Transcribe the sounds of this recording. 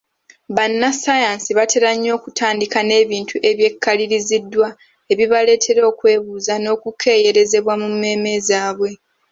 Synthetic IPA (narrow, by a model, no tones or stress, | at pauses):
βanːasajaːnsiβate̞ɾaɲːo̞ːkutʰaːndikane̞ːβiːntʰuʔe̞βje̞kʰːaliɾizidːwa | e̞βiβale̞ːtʰe̞ɾo̞ːkwe̞ːβuːzano̞ːkukʰe̞ːje̞ɾe̞ze̞βwamumːe̞ːme̞zaːβwe̞